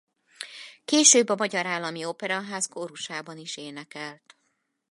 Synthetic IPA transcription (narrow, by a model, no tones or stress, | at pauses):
keːʃøːbːɒmɒɟɒɾaːlːɒmiopɛɾɒɦaːzkoɾuʃaːbɒniʃeːnɛkɛlt̪